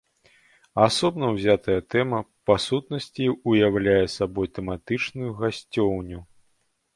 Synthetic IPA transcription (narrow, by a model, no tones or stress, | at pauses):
asɔbn̪ɐwzʲat̪ɐjɐt̪ɛmɐpasut̪nɐsʲt͡sʲiujawlʲajɛsabɔjt̪ɛmat̪ɨt͡ʂnujuɣasʲt͡sʲɔwnʲu